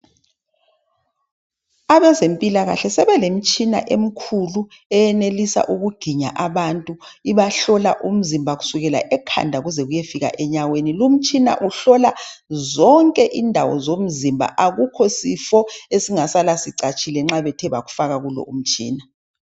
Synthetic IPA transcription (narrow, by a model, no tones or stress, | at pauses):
aβɛzempʼilaɣa̰ɬɛsɛβɛlem̩t͡ʃʼina̰ʔem̩kʰulu | ɛjɛnelisa̰ʔuɣuɡ̥ʱiɲa̰ʔaβantʼuiβaɬɔla̰ʔum̩zimbʱaɣusuɣɛla̰ʔɛkʰa̰ndʱaɣuzɛɣujefiɣa̰ʔɛɲawenilum̩t͡ʃʼina̰ʔuɬɔlazɔŋkʼɛʔindʱawɔ̰zom̩zimbʱa̰ʔaɣukʰɔsifɔesiŋasalasiǀat͡ʃʼilɛŋ͡ǁaβɛtʰɛβa̰ɣufaɣaɣulɔ̰um̩t͡ʃʼḭːna